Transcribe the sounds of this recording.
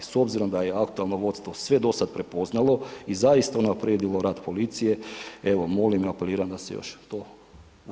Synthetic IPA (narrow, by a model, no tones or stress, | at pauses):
so̞bziɾo̞md̪ajeakt̪ualˠno̞ʋo̞t̪st̪ʋo̞sʋe̞d̪o̞sad̪pɾe̞po̞znalˠo̞izaist̪aunapɾed̪ilo̞ɾaːd̪po̞lit̪sije̞e̞ʋo̞mo̞limiape̞liːɾand̪asejo̰ʃt̪oː